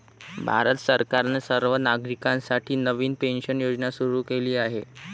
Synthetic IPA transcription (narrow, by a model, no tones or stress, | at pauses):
bʱa̰ɾət̪səɾkaɾnesəɾʋənaɡɾikãnsaʈʰiːnəʋiːnpenɕənjod͡ʑnasuɾuːkeliːaɦe